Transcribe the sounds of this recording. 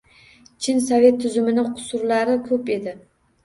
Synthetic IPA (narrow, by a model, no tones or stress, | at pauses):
t͡ʃʰɪnsave̞t̪ʰːʊzʊmɪnɪqʰʊ̥sʊɾlaɾɪkʲʰɵpe̞d̪ɪ